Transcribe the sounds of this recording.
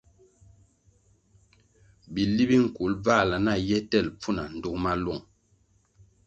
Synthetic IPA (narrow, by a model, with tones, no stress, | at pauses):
bi˨li˦bi˦ŋ̩˨ku˨˦lb͡va˦˨la˨na˦˨jɛ˦tɛ˦˨lp͡fu˦na˨n̩˨du˦kma˦lɔ˦˨ŋ